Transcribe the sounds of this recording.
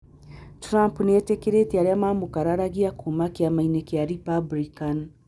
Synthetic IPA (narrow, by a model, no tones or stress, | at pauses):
tɾampnɛtekeɾetiaɾeamamukaɾaɾaɣiakumakiamainɛkjaɾipablikan